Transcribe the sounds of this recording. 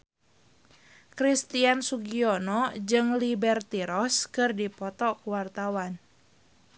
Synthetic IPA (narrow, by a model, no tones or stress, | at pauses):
kɾist̪iansuɡiɔnɔd͡ʒɨŋlibɛrt̪iɾɔskɨrdipɔt̪ɔkuwart̪awan